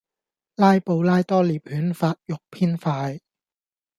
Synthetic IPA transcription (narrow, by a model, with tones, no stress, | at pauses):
laː˥jpo˧wlaː˥jt̪ɔː˥liː˨˩p̚hyː˨˦˥nfaː˧t̚jʊ˨k̚pʰiː˥nfaː˧j